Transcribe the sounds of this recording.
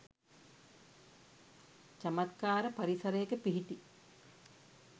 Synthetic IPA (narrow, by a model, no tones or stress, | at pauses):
t͡ʃamat̪kaːɾəpaɾisɐɾəjekəpiɦiʈi